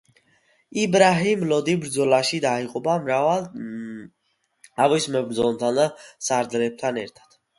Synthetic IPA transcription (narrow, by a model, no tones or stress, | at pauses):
ibɾaɦimlɔd̪ibɾd̪zɔlaʃid̪aiqʼɔbama | avismɛbɾzɔmt̪ʰand̪asaɾd̪lɛb̚t̪ʰanɛ̰ɾt̪ʰḁt̪ʰ